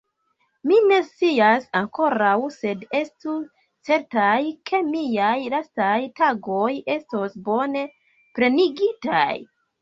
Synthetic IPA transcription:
mine̞st͡siasaŋko̞ɾawse̞de̞stu | t͡se̞ɾtajkʰe̞miajlastajtaɡo̞je̞sto̞sbo̞ne̞ | pɾe̞niɡitaj

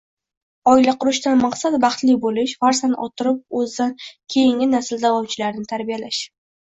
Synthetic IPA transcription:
ɒɪlaqʰʊɾʊʃt̪anmɑqsat̪bɑχt̪lɪbolɪʃfaɾsanʔɒ̰t̪ʰɪɾɪp̚ɵzd̪ankʲʰe̞jɪŋʲɪnasɪld̪avɒwt͡ʃʰɪlaɾnɪt̪ʰaɾbijalaʃ

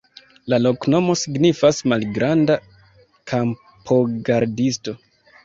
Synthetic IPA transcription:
lalo̞kno̞mo̞siɡnifasmalɡɾanda | kʰam | pʰo̞ɡaɾdisto̞

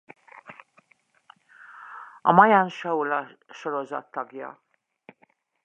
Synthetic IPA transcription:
ɒmɒjanʃɒulɒʃo̞ɾo̞zɒ̰t̪ːɒɡjɒ̰

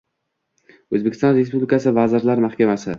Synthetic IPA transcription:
ɵzbekʰʲɪ̥st̪ɒnɾe̞spublɪkʰasɪvazɪɾlaɾmahkʲamasɪ

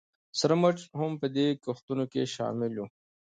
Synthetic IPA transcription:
səɾmɐʈ͡ʂhʊmpəd̪ekʊxt̪unokḛʃɑ̰ːmɪlju

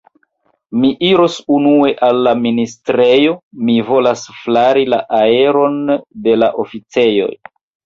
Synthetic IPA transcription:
miʔiɾo̞sunue̞ʔalːaministɾe̞jo̞mivo̞lasflaɾila̰ʔae̞ɾo̞nde̞laʔo̞fit͡se̞jo̞̰j

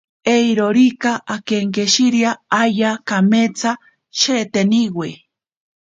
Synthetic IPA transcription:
ejɾoɾikaʔakeŋkeʃiɾjaajakamet͡sa | ʃeːt̪eniwe

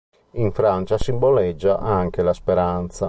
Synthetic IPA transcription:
iɱfɾant͡ʃasimbolɛd͡ʒːaʔaŋkelaspeɾant̪sa

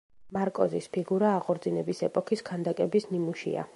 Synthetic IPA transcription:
maɾkʼɔzispʰiɡuɾaːqʼɔɾd̪zinɛbisɛpʼɔkʰiskʰand̪akʼɛbisnimuʃḭa̰

